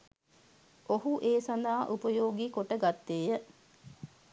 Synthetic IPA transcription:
oɦuʔeːsand̪aːʔupəjoːɡikoʈəɡat̪ːeːjə

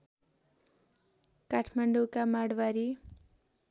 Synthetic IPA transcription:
kaʈʰmaɳɖukamaɽwaɾi

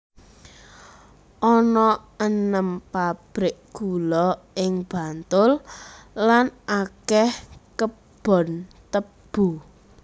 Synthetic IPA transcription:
ʔɔnɔənəmpab̥ɾɪʔɡ̥ulɔ | ɪŋb̥a̤nt̪ʊlː | anʔakɛhkə | b̥ɔ̤nt̪əb̥u

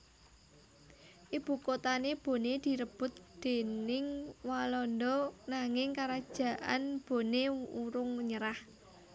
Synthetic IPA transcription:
ʔib̥ukot̪aneb̥o̤ned̪̥i̤ɾəb̥ʊ̤t̪̚d̪̥e̤nɪŋwalɔnd̪ɔnaŋɪŋkaɾad̥ʒ̥ä̤ʔa̰nb̥o̤neuɾʊŋɲəɾah

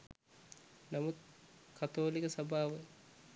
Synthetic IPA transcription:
namut̪̚kʰat̪oːlikəsɐbʱaːʋə

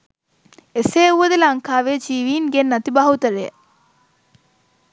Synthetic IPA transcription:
eseːuʋɐd̪elɐŋkaːʋeːd͡ʒiːʋiːŋɡenːɐt̪ibɐɦut̪ɐɾe

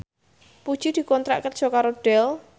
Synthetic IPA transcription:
pud̥ʒ̥id̪̥i̤kɔnt̪ɾa̰ʔkər̥ʒ̥ɔ̤kaɾoɖ̥ɛl

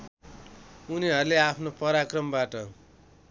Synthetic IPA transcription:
uniɦʌrleapʰnopʌɾakrʌmbaʈʌ

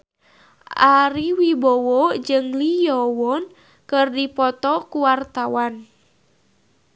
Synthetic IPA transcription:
ʔaɾiwibɔwɔd͡ʒɨŋlijɔwɔn | kɨrdipɔt̪ɔkuwart̪awan

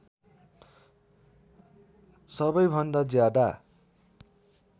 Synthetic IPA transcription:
sʌbʌjbʱʌnd̪ad͡zjad̪a

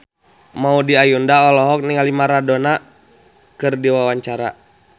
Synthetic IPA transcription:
maudiajundaɔlɔɦɔk̚niŋalimaɾadɔna | kɨrdiwawaɲt͡ʃaɾa

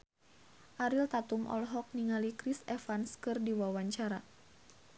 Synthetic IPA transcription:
ʔaɾilt̪at̪umʔɔ̰lɦɔk̚niŋalikɾisɛfanskɨrdiwawaɲt͡ʃaɾa

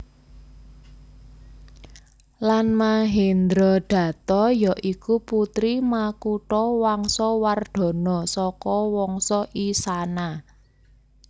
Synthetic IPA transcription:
lanmaɦend̪ɾɔɖ̪̥ä̤t̪ɔjɔʔikuput̪ɾimakuʈɔwaŋsɔward̪̥ɔ̤nɔsɔkɔwɔŋsɔʔisana

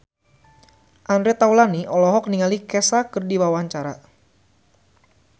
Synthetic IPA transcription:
ʔandɾɛt̪awlaniʔɔlɔɦɔk̚niŋalikɛsakɨrdiwawaɲt͡ʃaɾa

